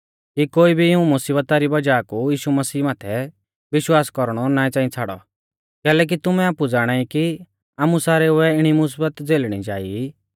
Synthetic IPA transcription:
kikoːibʱiɪũmʊsiːbət̪aɾibɐd͡ʒaːkujiːʃumɐsiːmaːt̪ʰɛ | ʋɪʃwaːskɔɾɽ̃ɔnaːĩt͡sãːĩt͡sʰaːɽɔ̰ | kɛːlɛːk̬it̪ʊmɛ̃aːpud͡zaːɽ̃aːiki | aːmusaːɾɛʊɛɪɽ̃imʊs̬iːbət̪d͡zeːlɽ̃ḭd͡ʒaːi

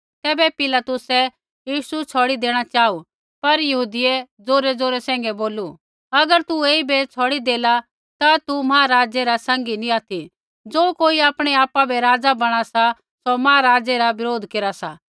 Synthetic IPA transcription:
t̪ɛːbɛpɪlat̪ʊsɛ | jiːsut͡sʰɔːɽid̪eːɽ̃at͡ʃaːu | pɐɾjɐɦuːd̪ɪɛd͡zoːɾɛd͡zoːɾɛsɛ̃ːŋɡɛboːlu | ɐɡəɾt̪ueːibet͡sʰɔːɽid̪eːla | t̪at̪umɐɦaːɾaːd͡ʒɛɾasãːŋ̆ɡinĩaːt̪ʰi | d͡zoːkoːiaːpɽ̃ɛaːpabʱɛɾaːd͡zabɐɽ̃asa | somaaɾaːd͡zɛɾabɪɾoːd̪ʱkeːɾasa

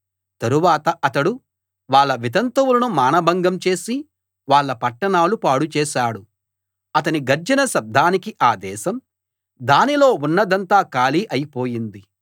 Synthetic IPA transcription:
t̪ɐɾuʋaːt̪ɐʔɐt̪ɐɽu | ʋaːɭːɐʋit̪ɐnt̪ɐwulɐnumaːnɐbʱɐŋɡɐmt͡ʃe̞ːsi | ʋaːɭːɐpɐʈːɐɳaːlupaːɽut͡ʃɛːʃaːɽu | ɐt̪ɐniɡɐɾd͡ʒɐnɐʃɐb̚d̪ʱaːnikiʔaːd̪ɛːʃɐm | d̪aːnilo̞ːunːɐd̪ɐnt̪aːkaːliːʔɐjipo̞ːjind̪i

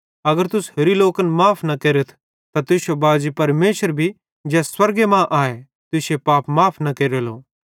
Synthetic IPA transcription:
ɐɡəɾt̪ʊsheɾiloːkənmaːpʰnɐkeːɾət̪ʰ | t̪at̪ʊsobaːd͡ʒipɐɾmeːʃəɾbʱi | d͡ʒɛːswɐɾɡemãʔaːe | t̪ʊsjepaːpmaːpʰnɐkeːɾelo̰ː

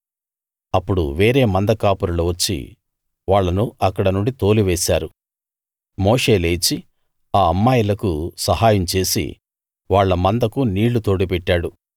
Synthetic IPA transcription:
ɐpːuɽṵʋeːɾe̞ːmɐnd̪ɐkaːpuɾɐloːʋɐt͡ʃːḭ | ʋaːɭːɐnuɐkːɐɽɐnuɳɖit̪o̞ːliʋeːsaːɾu | moːʂe̞ːleːt͡ʃi | aːɐmːaːjɐlɐkusɐɦaːjɐmt͡ʃe̞ːsḭ | ʋaːɭːɐmɐnd̪ɐkuniːɭːut̪o̞ːɽipɛʈːaːɽu

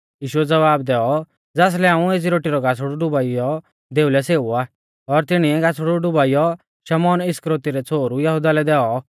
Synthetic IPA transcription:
jiːʃuɛd͡zɐʋaːbd̪ɛːɔ | d͡zaːs̬lɛaːũeːs̬iɾoːʈiɾɔɡʱasɽuɖʊbaːijɔ | d̪eːulɛseːua | ɔɾt̪ɪɽ̃iɛɡasɽuɖʊbaːijɔ | ʃɐmɔːnɪskɾoːt̪iɾɛt͡sʰoːɾujɐɦud̪alɛd̪ɛːɔ

